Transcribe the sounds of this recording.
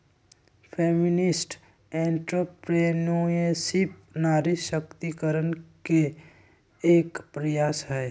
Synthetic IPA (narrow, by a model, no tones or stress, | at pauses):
pʰeːmɪnɪsʈ | ɛ̃ːɳʈɾopɾenoesɪp̚naːɾiʃəkt̪ikəɾənke | eːkpɾəjaːsɦɛː